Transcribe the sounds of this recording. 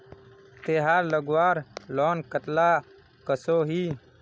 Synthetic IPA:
t̪eːɦaːɾləɡwaːɾlɔːnkət̪laː | kəsoːɦiː

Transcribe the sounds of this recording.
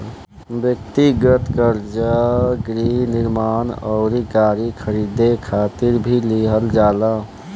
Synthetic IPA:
bjəkt̪iɡət̪kəɾd͡ʒaɡɾiniɾmanəɔ̰ʊɾikaɾikʰəɾid̪ekʰat̪iɾbʱiliɦəld͡ʒalə

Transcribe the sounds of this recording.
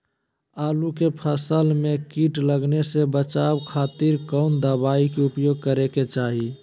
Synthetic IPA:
aːlukepʰəsəlmekiʈləɡnesebət͡ʃaːbkʰaːt̪iɾkɔːnd̪əbaːikeʊpjoːɡ̚kəɾeket͡ʃaːɦi

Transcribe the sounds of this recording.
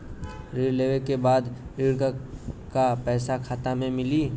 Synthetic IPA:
ɾiːɽleːʋekebaːd̪ɾiːɽkəkapɛːsakʰaːt̪amẽmɪliː

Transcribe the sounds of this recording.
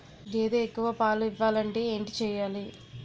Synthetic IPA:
eːd̪eekːuʋɐpaːluiʋːaːlɐɳʈe̞ːeːɳʈit͡ʃɛːjaːli

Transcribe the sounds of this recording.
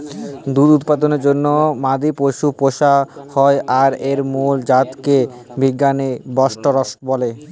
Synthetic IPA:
d̪uɾut̪̚pad̪oneɾd͡ʑonːomad̪ʱipoʃupoʃahɔeʔaɾeɾmuld͡ʑat̪ke | bʱiɡːanebɔʃʈoɾɔʃʈbɔle

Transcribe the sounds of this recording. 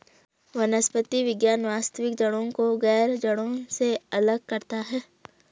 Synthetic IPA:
ʋɐnəspət̪iʋɪɡjaːnʋaːst̪əʋɪk̚d͡ʒɐɽ̃õkoɣɛːɾd͡ʒɐɽ̃õseɐləɡ̚kɐɾt̪aɦɛː

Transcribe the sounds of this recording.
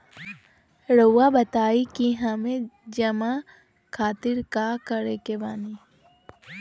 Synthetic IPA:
ɾəwabɐt̪aːikiɦɐmẽd͡ʒɐma | kʰaːt̪ɪɾkakəɾekebaːni

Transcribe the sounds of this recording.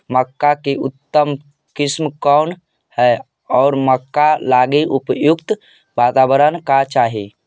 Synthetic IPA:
məkːakeʔut̪ːəm | kɪsmkɔʊn | hɛ | ɔːɾməkːalaɡeʔupjukt̪ | bat̪abəɾənkat͡ʃaːɦe

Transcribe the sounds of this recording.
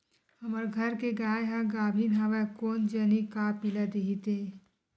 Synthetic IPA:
hɐməɾɡʱɐɾkeɡaːjɦãɡaːbʱinɦaʋakoːnd͡ʒənikapilad̪eɦit̪eː

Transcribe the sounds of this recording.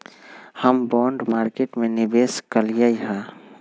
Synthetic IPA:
həmbɔːɳɖmaːɾkeʈmẽnɪbeːskəlijəiɦɛ̃

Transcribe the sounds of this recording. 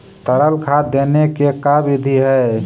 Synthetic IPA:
t̪əɾəlkʰad̪enekekabid̪ʱiɦɛ

